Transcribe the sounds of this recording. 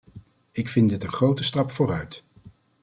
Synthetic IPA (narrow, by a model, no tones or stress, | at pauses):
ɪkfɪndɪtənχrowtəstɑpfʊːɾœɥt